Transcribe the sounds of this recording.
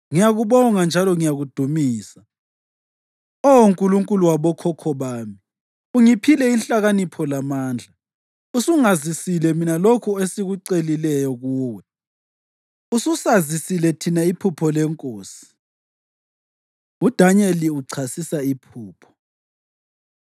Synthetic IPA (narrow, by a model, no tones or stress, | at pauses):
ŋijaɣuβɔŋand͡ʒʱalɔŋijaɣud̥ʱumiːsa | ɔuŋkʼuluŋkʼuluwaβɔkʰɔkʰɔβaːmi | uŋipʰilɛinɬʼaɣanipʰɔlamaːnd͡ɮʱa | usuŋazisilɛminalokʰuesiɣuǀelilɛjɔɣuːwɛ | ususazisilɛtʰinaipʰupʰɔlɛŋkʼoːsi̥ | ud̥ʱaɲɛliuǀʰasisaipʰuːpʰɔ̥